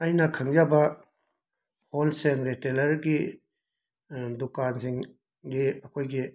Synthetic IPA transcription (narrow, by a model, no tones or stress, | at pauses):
ɐjnɐkʰaŋjabɐ | holseŋɾetelɐɾɡi | dukansiŋ | ɡiɐkʰojɡi